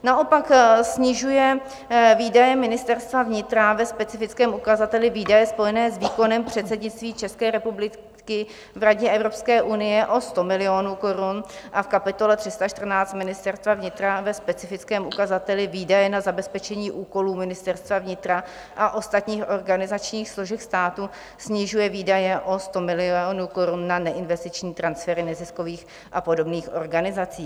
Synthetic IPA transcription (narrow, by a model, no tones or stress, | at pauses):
naʔo̞paksɲɪʒujɛ | viːdajɛmɪnɪst̪ɛɾst̪vavɲɪt̪ɾavɛspɛt͡sɪfɪt͡skɛːmukazat̪ɛlɪviːdajɛspo̞jɛnɛːsviːko̞nɛmpr̝̥ɛt̪t͡sɛdɲɪtt͡st̪viːt͡ʃɛskɛːɾɛpublɪ | kɪ | vɾaɟɛʔɛvɾo̞pskɛːʔunɪjɛʔo̞st̪o̞mɪlɪo̞nuːko̞ɾunʔafkapɪt̪o̞lɛt̪r̥ɪst̪aʃt̪r̩naːt͡st̪mɪnɪst̪ɛrst̪vavɲɪt̪ɾavɛspɛt͡sɪfɪt͡skɛːmukazat̪ɛlɪviːdajɛnazabɛspɛt͡ʃɛɲiːʔuːko̞luːmɪnɪst̪ɛɾst̪vavɲɪt̪ɾa | ʔaʔo̞st̪at̪ɲiːxʔo̞ɾɡanɪzat͡ʃɲiːxsloʒɛxst̪aːt̪u | sɲɪʒujɛviːdajɛʔo̞st̪o̞mɪlɪonuko̞ɾunːanɛʔɪnvɛst̪ɪt͡ʃɲiːt̪ɾansfɛɾɪnɛzɪsko̞viːx | ʔapo̞do̞bniːxʔo̞ɾɡanɪzat͡siː